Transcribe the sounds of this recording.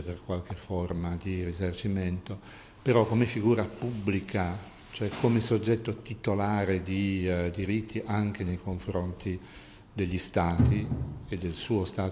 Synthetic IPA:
perkwalk̟eformad̪irizart͡ʃiment̪o | peɾɔkːomefiɡuːɾapubːlikʰa | t͡ʃoɛkʰːomesod͡ʒːɛt̪ːot̪it̪olaːɾed̪id̪iɾit̪ʰːiʔaŋk̟enejkoɱfɾont̪ʰi | d̪eʎːist̪aːt̪ied̪elsuːost̪aː

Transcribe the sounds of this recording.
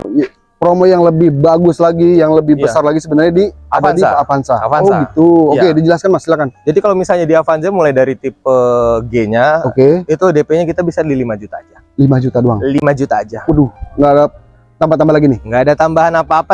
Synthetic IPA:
pɾomɔjaŋləbɪhbaɡʊslaɡijaŋləbɪhbəsarlaɡisəbənarɲadiaandiafansaafanoɡit̪uokedid͡ʒəlaskanmasilakand͡ʒadikalawmisalɲadiafansamulajdaɾit̪ɪp̚əɡeɲaokeit̪udepeɲakit̪abisadilimad͡ʒut̪aːd͡ʒa | limad͡ʒut̪adua̰ŋlimad͡ʒut̪aːd͡ʒakuduhŋɡada | t̪ampat̪ːambaɦlaɡinɪhŋɡaːdat̪ambaɦanapaːpa

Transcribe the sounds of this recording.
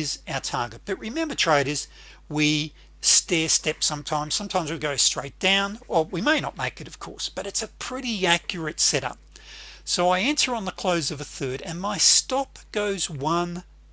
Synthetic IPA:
zaʊə˞tʰɑɹɡɨt̚b̥ʌt̚ɹɨmɛ̃mbə˞tʰɹ̥eɪɾɨz̥ | wi | stɛɹstɛpsʌ̃mtʰãɪ̃mz̥sʌ̃mtʰãɪ̃mzwiɡoʊstɹ̥eɪt̚d̥ãʊ̃nə˞wimeɪnə̰t̚meɪkɨɾʌv̥kʰɔ̰ɹsb̥ʌɾɨtsɨpʰɹ̥ɪɾiækjə˞ɨtsɛɾʌ̰p̚soʊaɪæ̃ntə˞ə̃nðəkʰl̥oʊzʌvɨθɜ˞ɾɨ̃nmaɪstɑp̚ɡ̥oʊzwʌ̃n

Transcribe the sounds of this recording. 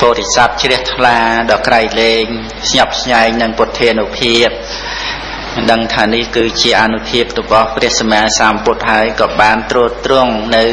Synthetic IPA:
poːɾesap̚t͡ɕrɛəht̪ʰlaːɗɑːkraɛjleːŋ | sɲɑp̚sʰɲaɛŋ̚nɨŋpŏt̪ʰːiːnupʰiəp̚ | ɗəŋt̪ʰaːnihkɨːt͡ɕiəʔanupʰiəp̚rɔɓɑhprɛəhsamaːsaːmput̪̚ɦaəjkɑːɓaːnt̪ruəlt̪rʊəŋnɨw

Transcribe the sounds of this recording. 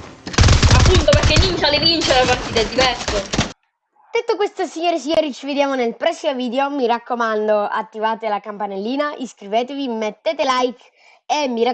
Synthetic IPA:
apːunt̪operkːevint͡ʃalevint͡ʃeelapart̪iːt̪aɛd̪ːivɛrso | d̪̥et̪ːokwest̪osiɲːoːɾis̬iɲːoːɾit͡ʃived̪jaːmonelpɾɛsːimoviːd̪eomiɾakːomand̪oa̰t̪ːivaːt̪elakampanelːiːnaʔiskɾiveːt̪evimet̪ːeːt̪elajk | emːiɾa

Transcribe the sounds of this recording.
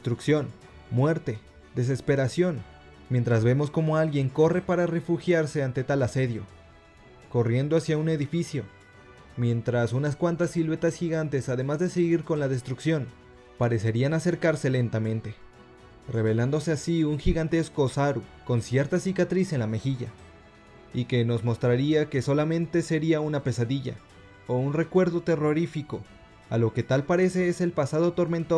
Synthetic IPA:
est̪ɾuksjo̞n | mwe̞ɾt̪e̞ | d̪e̞s̬e̞spe̞ɾasjo̞n | mje̞nt̪ɾazβe̞mo̞sko̞mo̞alɣje̞ŋko̞re̞paɾare̞fuxjaɾse̞ant̪e̞t̪alase̞ðjo̞ | ko̞rje̞nd̪o̞asjaune̞ðifisjo̞ | mje̞nt̪ɾasunaskwant̪asilwet̪asxiɣant̪e̞sað̞e̞mazðe̞seɣiɾko̞nlaðe̞st̪ɾuksjo̞n | paɾe̞se̞ɾianase̞ɾkaɾse̞le̞nt̪amẽ̞nt̪e̞ | re̞β̞e̞land̪o̞se̞asiuŋxiɣant̪e̞skosaɾuko̞nsje̞ɾt̪asikat̪ɾise̞nlame̞xiʝa | ike̞no̞zmo̞st̪ɾaɾiake̞so̞lamẽ̞nt̪e̞se̞ɾiaunape̞saðiʝa̰ | ounre̞kwe̞ɾðo̞t̪e̞ro̞ɾifiko̞ | alo̞ke̞t̪alpaɾe̞se̞ese̞lpasað̞o̞t̪o̞ɾme̞nt̪o

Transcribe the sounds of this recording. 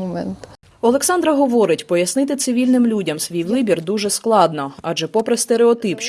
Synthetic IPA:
ɔmɛ̰nt̪ | ɔlˠeksɑnd̪ɾɐɦɔʋɔɾɪtʲpɔjɐsnɪt̪ɪt̪sɪʋʲilʲnɪmlʲudʲɐmsʋʲijʋɪbʲird̪uʒɛsklˠɑd̪nɔɑʒɛpɔpɾest̪eɾeɔt̪ɪp

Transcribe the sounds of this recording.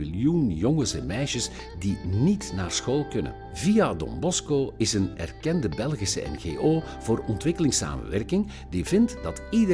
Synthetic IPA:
iljunjɔŋənsɛnmɛjʃəs | dinitnaːrsxoːlˠkɵnə̰n | vijadɔ̰mbɔskoːɪsənɛ̰rkɛndəbɛlˠɣisə̰ɛ̰nɣḛːʔoː | v̥ʊːrɔntʋɪkəlɪŋsa̰ːmə̰nʋɛrkɪŋ | divɪntdɑtidə

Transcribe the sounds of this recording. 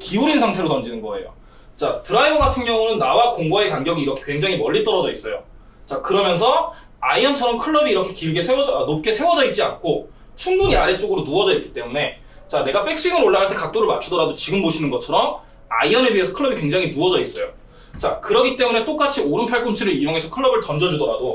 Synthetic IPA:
kiuɾinsʰaŋtʰe̞ɾotʌnd͡ʑinɯnɡʌe̞̰jo̰ | t͡ɕatɯɾaibʌɡatʰɯnŋɲʌŋunɯnːawakoŋɡwae̞kaŋɡjʌɡiɾʌkʰe̞̥kwe̞ŋd͡ʑaŋimʌʎːit͈ʌɾʌd͡ʑʌis͈ʌjo̰ | t͡ɕakɯɾʌmjʌns̬ʰʌ | aiʌnt͡ɕʰʌɾʌmkʰɯɭːʌbiːɾʌkʰe̞kiiɡe̞sʰewʌd͡ʑnop̚k͈e̞sʰe̞wʌd͡ʑʌit̚t͡ɕ͈iankʰo | t͡ɕʰuŋbuɲiaɾe̞t͡ɕ͈oɡɯɾonuʌd͡ʑʌit̚k͈i̥t͈e̞mune̞ | t͡ɕane̞ɡap͈ʰe̞k̚s͈iŋɯɾoɭːaɦaɭt͈e̞kak̚t͈oɾɯɭmat͡ɕʰudʌɾadot͡ɕiɡɯmboɕʰinɯnɡʌt͡ɕʰʌɾʌm | a̰iʌneɥie̞sʰʌkʰɯɭːʌbikwe̞ŋd͡ʑaŋɦinuʌd͡ʑʌis͈ʌjo | t͡ɕakɯɾʌɡit͈e̞mune̞t͈ok͈at͡ɕʰioɾɯnpʰaɭk͈ont͡ɕʰiɾɯɾijoŋe̞sʰʌkʰɯɭːʌbɯɭtʌnd͡ʑʌd͡ʑudʌɾado

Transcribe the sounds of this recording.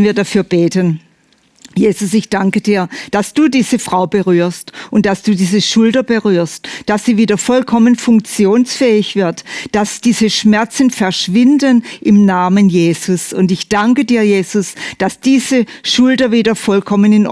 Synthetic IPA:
nviːɐdafyːɐb̥eːtən | jeːzʊsɪçd̥aŋkəd̥iːɐd̥asd̥uːdiːz̥əfʁ̥aʊbəʁyːɐstʔʊnt̚d̥asd̥uːdiːzəʃʊldɐbəʁyːɐstd̥asiːviːdɐfɔlkʰɔmənfʊŋk̚t͡sjoːnsfɛːɪçv̥ɪɐtd̥asd̥iːzəʃmɛɐt͡sn̩fɛɐʃv̥ɪndənʔɪmnaːmənjeːzʊsʊntɪçd̥aŋkədiːɐjeːz̥ʊsd̥asd̥iːzəʃʊldɐviːdɐfɔlkʰɔmənɪn

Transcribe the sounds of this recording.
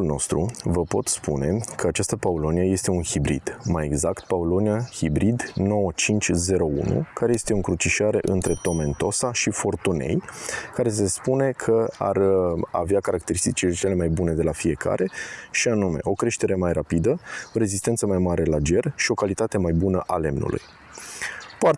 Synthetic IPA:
ulno̞̰st̪ɾuvəpo̞t̪spune̞kʰəat͡ʃast̪əpaulo̞nieje̞st̪e̞unhibɾḭd̪̥maje̞̰ɡzakt̪̚paulo̞niahibɾid̪no̞wət͡ʃint͡ʃʲze̞ɾo̞ṵnṵkaɾe̞je̞st̪e̞ɨŋkɾut͡ʃiʃaɾe̞ʔɨnt̪ɾe̞t̪o̞me̞nt̪o̞saʃifo̞rt̪une̞̰jkaɾe̞s̬e̞spune̞kʰəa̰ra̰veakaɾakt̪e̞ɾist̪it͡ʃilet͡ʃe̞le̞majbune̞d̪e̞lafie̞kʰa̰ɾe̞ʃianumeʔo̞kɾe̞ʃt̪e̞ɾe̞majrapid̪əoɾe̞zist̪ent̪səmajmaɾʔe̞lad͡ʒe̞rʃio̞kalit̪at̪e̞majbunəʔale̞mnṵlʔṵj | pa

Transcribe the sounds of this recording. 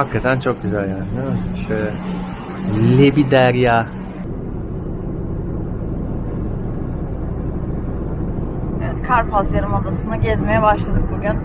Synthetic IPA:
hakʰːat̪ʰænt͡ʃʰo̞k̚ɟyzælʲjaːnɪd̪emʃt̪e | lʲebid̪æɾjaː | ɛvɛt̪kʰaɾpʰaseɾɯmod̪asɯnaɟɛzmejɛbaʃlˠad̪ɯk̚buɟyn

